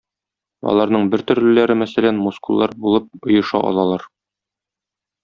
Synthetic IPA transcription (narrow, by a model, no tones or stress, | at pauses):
ɒ̰lˠɑɾnɤɴbɘɾt̪ɵ̆ɾlɘ̆læɾɘmæsælænmuskulˠːɑɾbulˠɤp̚ŏjɤ̆ʃɑ̰ʔɒ̰lˠɑlˠɑɾ